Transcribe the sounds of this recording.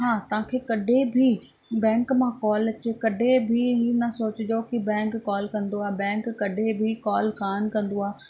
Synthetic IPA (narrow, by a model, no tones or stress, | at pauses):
ɦãːt̪ɐ̤ãkʰeːkɐɖʱebʱi | bɛ̃ːŋkmãkɔːlɐt͡ɕekɐɖʱebʱiɦinɐsoːt͡ɕɪd͡ʑokibɛ̃ːŋkːɔːlkɐ̃nd̪oaːbɛ̃ːŋkːɐɖʱebʱikɔːlkaːnkɐ̃nd̪oaː